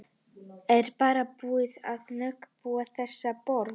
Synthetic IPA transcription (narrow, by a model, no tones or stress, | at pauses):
ɛɾpaːɾapuːɪðaðnʏkpuːaθɛsːapɔɾ